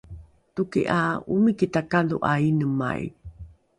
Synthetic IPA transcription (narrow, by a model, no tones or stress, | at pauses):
tukḭʔaumikitakaluʔainəma̰j̰